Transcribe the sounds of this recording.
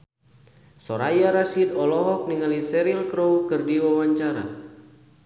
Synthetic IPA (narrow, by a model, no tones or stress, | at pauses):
sɔɾajaɾasid̪ɔlɔɦɔk̚niŋalisɛɾilkɾɔwkɨrdiwawaɲt͡ʃaɾa̰